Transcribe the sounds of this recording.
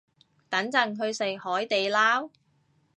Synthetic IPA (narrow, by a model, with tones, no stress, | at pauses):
t̪ɐ˨˥ŋt͡sɐ˨˧ŋɦɵ˧ɥse˨˩k̚hɔː˨˥jt̪e˨jlaː˥w